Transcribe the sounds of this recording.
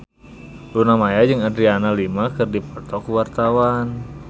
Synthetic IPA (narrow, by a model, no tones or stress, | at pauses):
lunamajad͡ʒɨŋadɾianalimakɨrdipɔt̪ɔkuwart̪awan